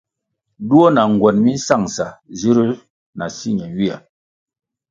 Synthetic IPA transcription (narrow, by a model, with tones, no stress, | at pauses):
du˦o˦na˨ŋ˨ɡwɛ˨nmi˦n̩˦sa˦˨ŋsa˨zi˦ɾi˦ | na˨si˦ɲɛ˨wi˦a̰˨